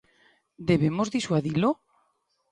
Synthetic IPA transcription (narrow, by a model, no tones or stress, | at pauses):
d̪eβemozðiswaðilo